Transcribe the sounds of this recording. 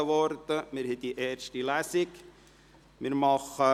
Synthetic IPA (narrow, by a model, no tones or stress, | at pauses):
əʋɔɾdəmɪɾhɪdiʔɛːrʃtilæsɪk | mɪɾmɑχə